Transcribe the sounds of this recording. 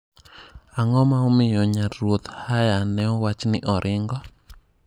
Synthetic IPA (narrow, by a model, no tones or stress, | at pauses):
aŋɔmaomɪjɔɲaɾot̪hajanɛɔwat͡ʃnɪʔɔɾʔɪŋɡɔ